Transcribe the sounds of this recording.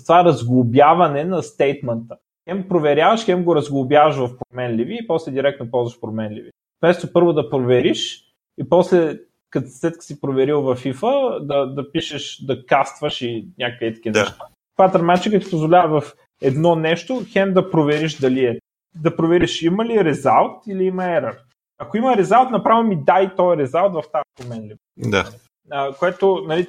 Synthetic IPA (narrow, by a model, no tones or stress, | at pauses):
st̪ovaɛɾɐzɡlˠʊbʲjavɐnɛnɐst̪ɛjt̪mɛnt̪ə | xɛmpɾovɛɾʲjavəʃxɛmɡoɾɐzɡlˠʊbʲjavɐʃvɐfpɾomɛnliviːpɔslɛd̪iɾɛkt̪nopɔlˠzvɐʃpɾomɛnlivi | fmɛst̪opɤɾvod̪ɐpɾovɛɾiʃ | ipɔslɛ | kɐt̪ssɛt̪kə̥sipɾovɛɾilˠvɐfifəd̪ɐd̪ɐpiʃɛʃd̪ɐkast̪vəʃinʲakit̪ɐ̥k̟inɛʃt̪a | t̪vad̪ɾmat͡ʃikət̪i̥pozvolʲavəvɐf | ɛd̪nɔnɛʃt̪oxɛnd̪ɐpɾovɛɾiʃd̪ɐliɛ | d̪ɐpɾovɛɾiʃiməliɾɛzalˠt̪iliimɐɛɾəɾ | ɐkoiməɾɛzalˠt̪nɐpɾavilmid̪ajt̪ɔjɾɛzalˠt̪vɐft̪apomɛnli | d̪a̰ | əkoɛt̪onɐli